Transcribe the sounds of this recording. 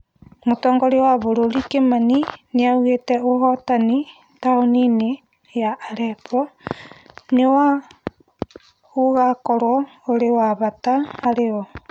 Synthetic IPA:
motɔːŋɡɔɾewaβoɾoɾikemanineauɣetɛoɦɔtani | taonine | jaʔːɾɛpɔ | newa | uɣakɔɾɔoɾewaβataːɾeɔ

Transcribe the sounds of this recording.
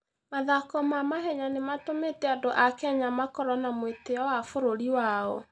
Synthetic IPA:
maðakɔmamaɦɛɲanematometɛadoʔakɛɲamakɔɾɔnamweteɔwafoɾoɾiwaɔ̰

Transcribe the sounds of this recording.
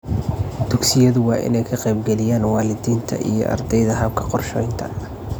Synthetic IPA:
d̪̥ʊɡsɪjɐðʊwɑːʔɪ̰nɛjkʰɐqɛjbɡɛlɪjaːnwɑːlɪd̪iːnt̪ʰɐ̰ʔḭjɞ̰ʔɐ̰rd̪ɛjðɐɦɐb̚kʰɐ̥qɔrʃɔjnt̪ʰɐ̰

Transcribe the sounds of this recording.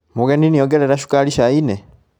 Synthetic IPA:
muɣeninijoɡeɾe̞ɾaʃu̥kaliʃaine

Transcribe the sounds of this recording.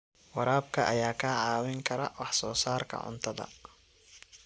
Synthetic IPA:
wɑɾaːbkʰɐʔɐjaːkʰaʕɑːwɪŋkʰɐɾɐwɑħsɔːsaːrkʰɐ̰ʕʊ̰nt̪ʰɐðɐ̰

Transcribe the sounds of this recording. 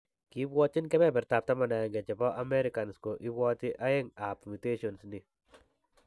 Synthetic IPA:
kibwɔt͡ʃɪnkɛmɛpɛɾtap̚tamanaŋɡɛt͡ʃɛbɔʔamɛɾikanskoʔibɔtiʔaɪŋapmiteʃɔnsni

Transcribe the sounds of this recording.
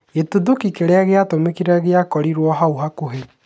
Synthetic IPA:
etuðokikeɾeaɣeatomekiɾɛɣeakɔɾiɾwɔɦauɦakoɦe

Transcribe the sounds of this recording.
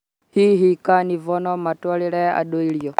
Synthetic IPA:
hiɦikanivɔnɔmatwalilɛa̰ɗɔilijɔ

